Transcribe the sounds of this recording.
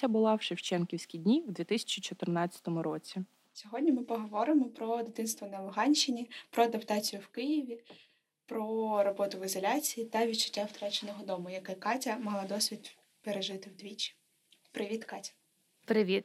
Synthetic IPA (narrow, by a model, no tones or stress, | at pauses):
ɐbʊlˠɑwʃɪwt͡ʃɛnkʲiwsʲkʲidʲnʲiwd̪ʋʲit̪ɪsʲɐ̥t͡ʃit͡ʃɔt̪ɪrnɑt͡st͡sʲːɐ̥t̪ɔmʊɾɔt͡sʲi | sʲɔɦɔdʲnʲimɪpɔɦɔʋɔɾɪmɔpɾɔd̪ɪt̪ɪnst̪ʋɔnɐlˠʊɦɑnʲʃɪnʲipɾɔɐd̪ɐpt̪ɑt͡sʲijʊwkɪjiʋʲi | pɾɔɾɔbɔt̪ʊʋɪzɔlʲat͡sʲijit̪ɐʋʲid̪t͡ʃɐ̥tʲːawt̪ɾɑt͡ʃenɔɦɔd̪ɔmʊjɐkɪkɑtʲɐmɐɦlˠɑd̪ɔsʲʋʲid̪ | peɾeʒɪt̪ɪwd̪ʲʋʲit͡ʃʲːi̥ | pɾɪʋʲit̪kɑtʲɐ̥ | pɾɪʋʲit̪